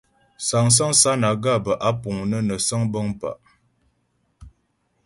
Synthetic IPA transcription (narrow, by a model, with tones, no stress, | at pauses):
sa˨ŋs̬a˦ŋsa˦na˨ɡa˦˨bə˨ʔa˦pu˨ŋnə˦nə˨sə˦ŋbə˦ŋpa̰˨ʔ